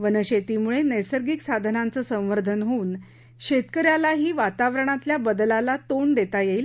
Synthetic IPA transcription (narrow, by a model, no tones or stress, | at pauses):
ʋənəɕet̪imuɭenəjsəɾɡiksad̪ʱənant͡səːsə̃w̃ʋəɾd̪ʱənɦoːn | ɕet̪kəɾjalaɦiːʋat̪aʋɾəɳ̃at̪ljabəd̪lalat̪oɳd̪et̪ajeil